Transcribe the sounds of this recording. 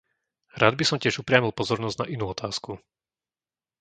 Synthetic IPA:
ɾaːd̪bisɔmcɪɛʒupɾɪamilˠpɔzɔɾnɔzna̰ʔinuːɔt̪ʰaːsku

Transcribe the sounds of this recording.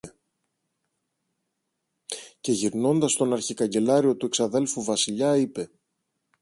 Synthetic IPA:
ce̞ʝiɾno̞nd̪ɐst̪o̞nɐɾçikɐɲɟe̞lɐɾio̞t̪ue̞ksɐðe̞lfuvɐsiʎɐipe̞

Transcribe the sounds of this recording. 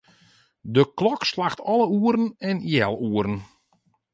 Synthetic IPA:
dəklɔkslaxtʰɔləuəɾənɛnjɛlˠuəɾən

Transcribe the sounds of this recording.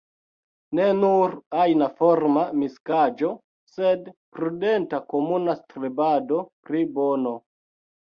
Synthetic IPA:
ne̞nuɾajnafoɾmamiskad͡ʒo̞ | se̞dpɾude̞ntakomunastɾibado̞pɾibono̞

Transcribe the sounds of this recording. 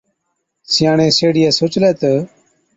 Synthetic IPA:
sɪjaːɳẽːseːɽɪjɛːsoːt͡ʃleːt̪ə

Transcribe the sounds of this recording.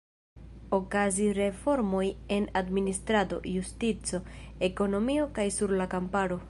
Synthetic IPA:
o̞kaziɾe̞fo̞ɾmo̞je̞nadministɾado̞̰justit͡so̞e̞ko̞no̞mio̞kajsuɾlakampaɾo̞

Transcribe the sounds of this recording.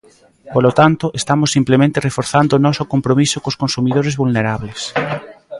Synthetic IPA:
polot̪ant̪ʊʔest̪amosːimplemẽnt̪erefoɾθand̪oːnɔsokompɾomisokoskonsumiðoɾezβulneɾaβles

